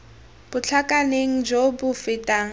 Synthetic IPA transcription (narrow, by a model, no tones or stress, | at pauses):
b̥ʊt͡ɬʰakʼaneŋ̩d͡ʒobʊfɪtʼaːŋ̩